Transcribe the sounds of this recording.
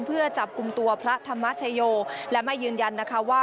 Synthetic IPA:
mpʰɯ˥˩ɐt͡ɕa˨˩p̚ku˧mt̪u˧ɐpʰɾa˦˥t̪ʰa˧mːa˦˥t͡ɕʰa˧joː˧lɛ˦˥ma˥˩jːɯː˧nja˧nːa˦˥kʰa˦˥waː˥˩

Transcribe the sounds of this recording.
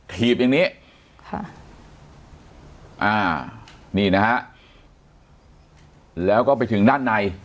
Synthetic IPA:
t̪ʰiː˨˩p̚ja˧˩ŋniː˦˥˩ | kʰa̰˥˩ | ʔaː˧˩niː˥˩na˦˥kʰa˦˥ʔ | lɛː˦˥wkɔː˥˩pa˧jt̪ʰɯ˩˦ŋdaː˥˩nːa˧j

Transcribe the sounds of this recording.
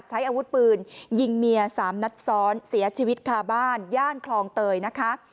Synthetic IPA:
t̪̚t͡ɕʰa˦˥jʔaː˧wu˦˥t̪̚pɯː˧nji˧ŋmi˧ɐsaː˩˦mna˦˥t̪̚sɔː˦˥nsi˩˦ɐt͡ɕʰiː˧wi˦˥t̪̚kʰaː˧˩baː˥˩njaː˥˩nkʰlɔː˧ŋt̪ɤː˧jna˦˥kʰa˦˥ʔ

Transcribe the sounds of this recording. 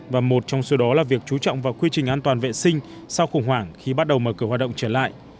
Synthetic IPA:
vaː˨˩mo˨˩t̚t͡ɕɔ˧wŋ͡mso˨˦ɗɔ˨˦laː˨˩vi˨˩ək̚t͡ɕu˨˦t͡ɕɔ̰˧˨wŋ͡mvaː˨˩wkwi˧t͡ɕï˨˩ŋ̟ʔaː˧nt̪waː˨˩nvḛ˧˨sï˧ŋ̟ | sa˧wxə˧˩ŋ͡mɦwaː˧˩ŋxi˧ɓa˦˥t̚ɗə˨˩wməː˨˩kɨ˧˩hwa˨˩ɗə̰˧˨ŋ͡mt͡ɕəː˧˩la̰ː˧˨jʔ

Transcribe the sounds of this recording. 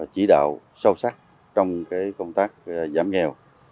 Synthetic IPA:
t͡ɕi˧˩˦ɗa̰ː˧˨w | sə˧wsa˦˥k̚ | t͡ɕɔ˧wŋ͡mkaː˨˦jkə˧wŋ͡mt̪aː˦˥k̚zaː˧˨˦mŋɛ˧w

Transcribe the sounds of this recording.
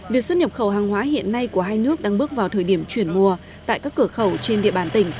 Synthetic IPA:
vi˨˩ək̚swə˧n̚ɲə˨˩p̚xə˧˩wɦaː˨˩ŋɦwaː˨˦ɦḭ˧˨ənːa˧jku˧˩əɦaː˧jnɨ˦˥ək̚ɗaː˧ŋɓɨ˦˥ək̚vaː˨˩wt̪ʰəː˨˩jɗi˧˩əmt͡ɕwi˧˩ənmu˧˩ə | t̪a̰ː˧˨jkaː˦˥kːɨ˧˩əxə˧˩wt͡ɕe˧nɗḭ˧˨əɓaː˧˩nt̪ï˧˩ŋ̟

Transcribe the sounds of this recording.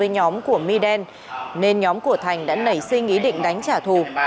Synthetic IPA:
əː˨˦jɲɔ˨˦mku˧˩əmi˧ɗɛ˧n | ne˧nɲɔ˨˦mku˧˩ət̪ʰa˨˩jŋ̟ɗa̰ː˧˥nə˧˩jsï˧ŋ̟ʔi˨˦ɗḭ̈˧˨ŋ̟ɗa˨˦jŋ̟t͡ɕaː˧˩t̪ʰu˨˩

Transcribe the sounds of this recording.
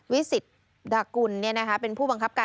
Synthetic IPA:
wi˦˥si˨˩t̪̚ | daː˧ku˧nːi˥˩ɐna˦˥kʰa˦˥pe˧npʰuː˥˩ba˧ŋkʰa˦˥p̚kaː˧

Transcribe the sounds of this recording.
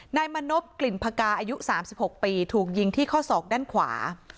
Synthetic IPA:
naː˧jma˧no˦˥p̚kli˨˩npʰaː˧kaː˧ʔaː˧ju˦˥ʔsaː˩˦msi˨˩p̚ho˨˩k̚piː˧t̪ʰuː˨˩k̚ji˧ŋt̪ʰiː˥˩kʰɔː˥˩sɔː˨˩k̚daː˥˩nkʰwa̰ː˩˦

